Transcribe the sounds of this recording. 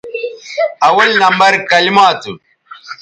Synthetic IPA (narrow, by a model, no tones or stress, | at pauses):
ʔawɐlnɐmbɐɾkɐlimaːtu